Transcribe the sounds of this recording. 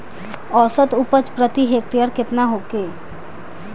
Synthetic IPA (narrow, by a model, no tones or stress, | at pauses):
ɔːsət̪ʊpət͡ʃpɾət̪iɦek̚ʈijəɾkɪt̪naɦokeː